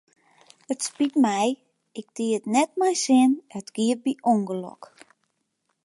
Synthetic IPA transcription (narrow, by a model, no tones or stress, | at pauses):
ətspitmɛj | ɪk̚diətnɛt̚mɛjsɪnətɡ̥iər̚biʔoŋɡəlɔ̰k